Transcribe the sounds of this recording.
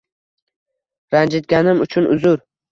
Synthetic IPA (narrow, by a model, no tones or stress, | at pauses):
ɾand͡ʒɪt̪̚ɡʲanɪmʊt͡ʃʰʊnʊ̰zʊɾ